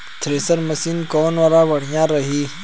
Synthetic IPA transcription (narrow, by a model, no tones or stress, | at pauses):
t̪ʰɾeːsəɾmɐsiːnkɔːnwaːɾabɐɽ̤ijãɾɐɦi